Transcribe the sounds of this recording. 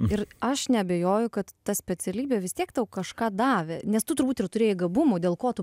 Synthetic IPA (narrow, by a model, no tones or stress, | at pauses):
ɪrɐʃnʲɛɐbʲejoːjʊkɐt̪ːɐsʲpʲɛt͡s̪ʲɛlʲiːbʲɛʋʲɪst̪ʲiɛkt̪ɐʊkɐʃkɑːd̪ɑːʋʲenʲɛst̪ʊt̪ʊɾbuːt̪ɪrt̪ʊɾʲeːjɪɡɐbʊmʊdʲeːlˠkoːt̪ʊ